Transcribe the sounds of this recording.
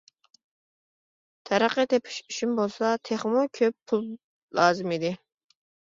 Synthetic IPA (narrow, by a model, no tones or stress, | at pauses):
t̪ʰæɾəqət̪ʰepʰɪ̥ʃyʃymbolˠsɑt̪ʰeχmukʲʰøpʰːulˠ | lɑːzɪmid̪ɪ